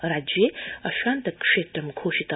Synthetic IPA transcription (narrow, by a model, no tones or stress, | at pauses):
rad͡ʒiaʃʷandakʼʂedamkʰoʃitʰa